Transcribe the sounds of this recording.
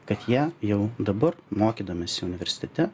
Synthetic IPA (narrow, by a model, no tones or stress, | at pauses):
kɐt̪jiːjɛʊd̪ɐbɐɾmoːkʲiːd̪oːmʲeːsʲɪʊnʲɪʋʲɛɾʲsʲɪ̥t̪ʲɛt̪ʲɛ